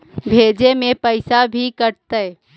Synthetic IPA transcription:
bʱeːd͡ʒemẽpəɪsabʱikəɾt̪ə

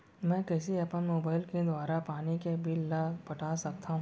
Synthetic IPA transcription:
mɛ̃kɛːsiɐpənmoːbaːɪlked̪waːɾapaːnikebʱɪlːapɐʈʰaːsɐk̚t̪ʰaɦũ

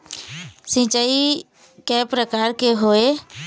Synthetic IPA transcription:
sɪ̃t͡ʃaːi | kɛːpɾəkaːɾkeɦoːe

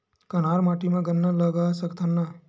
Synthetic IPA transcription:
kɐnaːɾmaːʈimãɡənːaləɡaːsəkt̪ʰənːa

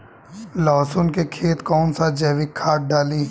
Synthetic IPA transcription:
lɔːsʊnkekʰeːt̪kɔːnsad͡ʒɛːʋikʰːaːʈ̚ɖaːli

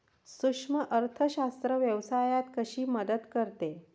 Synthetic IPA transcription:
sukʂməʔəɾt̪ʰəɕast̪ɾəʋjəʋsajat̪kəɕiːməd̪əd̪kəɾt̪e

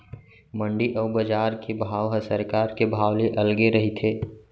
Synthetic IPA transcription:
mə̃ɳɖiʔɔːbəd͡ʒaːɾkʰebʱaːwɦəsəɾkaːɾkebʱaːwleʔɐlɡeɾɐɦit̪ʰeː

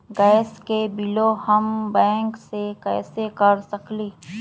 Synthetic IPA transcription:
ɡɛːskebɪlohəmbɛ̃ːŋksekɛːsekəɾsɐkliː

